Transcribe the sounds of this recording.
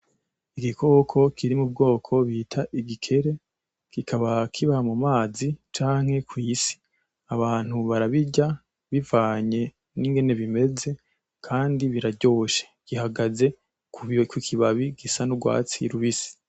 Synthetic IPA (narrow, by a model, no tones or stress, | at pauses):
iɡikʰo̞ːkʰo̞kʰiɾimub̚ɡo̞ːkʰo̞βiːtʰaʔiɡikʰe̞ɾe̞ | kikʰaβakʰiβamumaːzit͡ʃaːŋ̥he̞kwiːsi̥ | aβaːn̥huβaɾaβiɟa | βivaːɲe̞ | niŋɡe̞ne̞βime̞ze̞ | kʰaːndiβiɾaɟo̞ːʃe̥ɡ̥ihaɡaze̞ | kukwikʰiβaβiɡ̥isanuɡwa̰ːt͡sḭɾuβisi̥